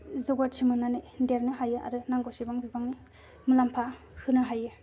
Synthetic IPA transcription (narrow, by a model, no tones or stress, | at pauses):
zɔɡaɾsʰimɯnanɯdeɾnɯɦajɯʔa̰ɾɯnaŋɡosibaŋbibaŋni | mulampʰa | hɯnɯɦajɯ